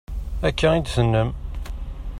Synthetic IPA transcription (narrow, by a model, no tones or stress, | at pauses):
ækʰːæid̪sənːəm